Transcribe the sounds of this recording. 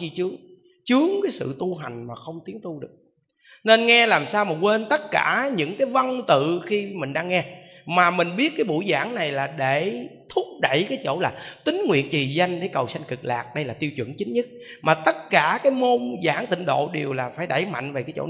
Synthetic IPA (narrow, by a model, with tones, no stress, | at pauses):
i˧t͡ɕɨ˨˦əŋ | t͡ɕɨ˨˦əŋkaː˨˦jsɨ̰˧˨t̪u˧ɦa˨˩jŋ̟maː˨˩xə˧wŋ͡mt̪i˨˦əŋt̪u˧ɗɨ˨˩ək̚ | ne˧nŋɛ˧laː˨˩msaː˧wmaː˨˩kwe˧nt̪ə˦˥t̚kaː˧˩ɲɨ̰˧˥ŋkaː˨˦jvə˧ŋt̪ɨ̰˧˨xi˧mï˨˩ŋ̟ɗaː˧ŋːɛ˧ | maː˨˩mï˨˩ŋ̟ɓi˦˥ət̚kaː˨˦jɓṵ˧˩˦jzaː˧˩˦ŋna˨˩jlaː˨˩ɗe˧˩t̪ʰʊ˦˥k͡p̚ɗə̰˧˩˨jkaː˨˦jt͡ɕo̰˧˩laː˨˩t̪ï˨˦ŋ̟ŋwḭ˧˨ənt͡ɕi˨˩za˧jŋ̟ɗe˧˩kə˨˩wsa˧jŋ̟kɨ˨˩k̚laː˨˩k̚ɗə˧jlaː˨˩t̪i˧əwt͡ɕwə̰˧˩nt͡ɕï˨˦ŋ̟ɲə˦˥t̚ | maː˨˩t̪ə˦˥t̚kaː˧˩kaː˨˦jmo˧nzaː˧˩ŋt̪ï˧˨ŋ̟ɗo̰˧˨ɗi˨˩əwlaː˨˩faː˧˩jɗə˧˩jma̰˧˨jŋ̟ve˨˩kaː˨˦jt͡ɕo̰˧˩